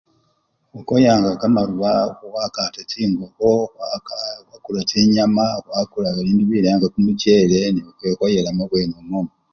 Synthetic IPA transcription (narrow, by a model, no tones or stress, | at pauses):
wokojaːŋɡakamaɾuβawakaːtatʰiːŋɡoβo | wakulatiɲamaɣakulaɣaβiːndiβilaŋɡakumuceːle̞niβakekojelamoβwenomom